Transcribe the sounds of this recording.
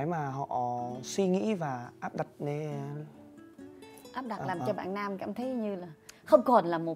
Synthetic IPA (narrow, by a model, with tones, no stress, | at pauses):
jmaː˨˩ɦɔ̰˧˨ʔswi˧ŋḭ˧˥vaː˨˩ʔaː˦˥p̚ɗa˨˩t̚ne˧ | ʔaː˦˥p̚ɗa˨˩laː˨˩t͡ɕɔ˧ɓa̰ː˧˨naː˧mkaː˧˨mt̪ʰə˨˦jɲɨ˧laː˨˩xə˧wŋ͡mkɔ˨˩nlaː˨˩mo˨˩